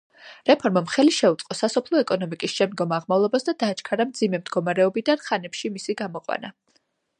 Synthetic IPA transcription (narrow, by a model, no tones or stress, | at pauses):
ɾɛpʰɔɾmamχɛliʃɛut̪sʼqʼɔsasɔpʰlˠɔɛkʼɔnɔmikʼisʃɛmd̪̚ɡɔmaʁmavlˠɔbasd̪ad̪aːt͡ʃʰkʰaɾamd̪zimɛmd̪ɡɔmaɾɛɔbid̪anχanɛpʃimisiɡamɔqʼwa̰na